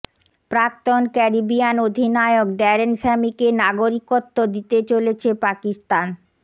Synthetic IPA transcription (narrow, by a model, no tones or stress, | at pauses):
pɾak̚t̪onkɛɾibianod̪ʱinaeok̚ɖaɾenʃɛmikenaɡoɾikot̪ːod̪it̪et͡ɕolet͡ɕʰepakist̪an